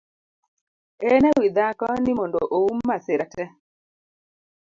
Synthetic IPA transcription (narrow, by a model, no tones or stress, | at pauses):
ɛnɛwid̪akɔnimɔndo̰ʔoumːaseɾatɛ